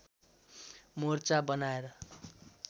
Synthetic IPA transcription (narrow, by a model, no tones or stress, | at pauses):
mort͡sabʌnaeɾʌ